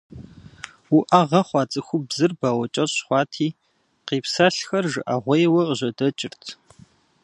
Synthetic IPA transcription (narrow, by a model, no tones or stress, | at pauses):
wuʔaʁɐχʷɑːt͡sʼɨxʷʊbzɨrbaːwɐt͡ʃʼɐɕχʷɑːtʰiː | qiːpsaɬxɐrʒɨʔɐʁʷejwɐqəʑɐdɐt͡ʃʼɪrtʰ